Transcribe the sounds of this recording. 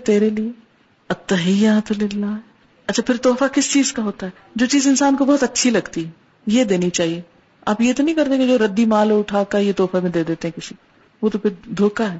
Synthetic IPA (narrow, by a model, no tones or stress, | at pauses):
t̪eːɾelie | ɐt̪ːɐɦɪjaːt̪lɪlːaː | ɐtːt͡ʃʰapʰɪɾt̪oːfakɪst͡ʃiːzkaɦoːt̪aɦɛː | d͡ʒoːt͡ʃiːzɪnsaːnkobɔɦːt̪ɐtːʃʰilɐɡt̪iɦɛ | jed̪eːnit͡ʃaːɦie | a̰ːpjet̪onɐ̃ɦĩkɐɾt̪ẽked͡ʒoːɾɐd̪ːimaːlʊʈʰakajet̪oːfamẽd̪eːd̪eːt̪eɦɛ̃kɪsi | ʋoːt̪opʰɪɾd̪ʱoːkaɦɛː